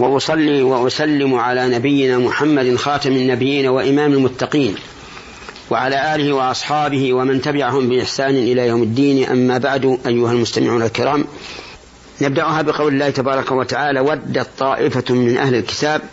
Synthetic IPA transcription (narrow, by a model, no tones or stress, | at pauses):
wɑʔʊsˤɑlːiːwaʔʊsalːɪmʕalaːnabɪjːɪnaːmʊħamːad̪nxɑːt̪ɑmɪnːabɪjːiːnawaʔɪmaːmalmʊt̪ːɑqiːn | waʕalaːʔaːlɪhɪwɑʔɑsˤħɑːbɪhɪwamant̪abɪʕaɦʊmbɪʔɪħsaːnɪʔɪlaːjawmad̪ːiːnʔa̰mːaːbaʕd̪ʔajːʊhalmʊst̪amɪʕuːnalkɪɾɑːm | nab̚d̪aʔʊɦaːbɪqɑwlɪlːaːht̪abɑːɾˤɑkawat̪aʕaːlaːwad̪ːat̪ˤːɑːʔɪfamɪnʔa̰hlɪlkɪ̥t̪aːb̚